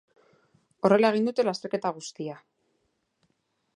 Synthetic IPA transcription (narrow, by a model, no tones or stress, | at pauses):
o̞re̞lae̞ɣ̞ind̪ut̪e̞last̪e̞ɾke̞t̪aɣ̞ust̪ia